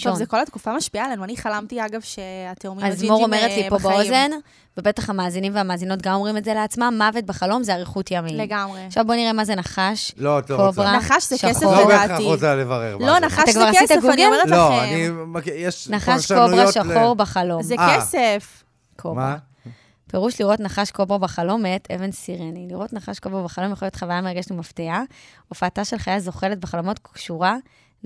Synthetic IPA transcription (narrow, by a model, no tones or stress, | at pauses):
ʃozeko̞lat̪kufamaʃpiaːlanuaniχalamtiaɡavʃeateomiazmmoʁomeʁelipobaozen | vebe̞t̪aχamaːzinimveamaːzino̞t̚ɡamo̞mʁimetzeleat͡smamːavet̚beχalo̞mzeaʁeχut̪jamileɡamʁeχʃavbo̞niʁemazenaχaʃlotloovʁanaχaʃzeʃaesobeʁot͡salevɐʁḛʁlonaχat̪akvaʁaist̪aɡunɡimeeloanimkjeʃnaχaʃobʁaʃaχo̞ʁbeχalo̞mzekesef | kʰomʁa | peʁuʃliʁo̞tnaχaʃkobʁabaχalo̞metevensiʁeniliʁo̞tnaχaʃkovʁabeχalo̞mjaχoljo̞t̪χavajameʁaɡeʃtlimaftia | ofaːtaʃe̞lχajazo̞χeletbeχalo̞mo̞tkʃuʁa